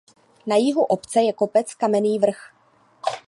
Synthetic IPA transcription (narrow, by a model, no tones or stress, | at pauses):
najɪɦuʔo̞pt͡sɛjɛko̞pɛt͡skamɛniːvr̩x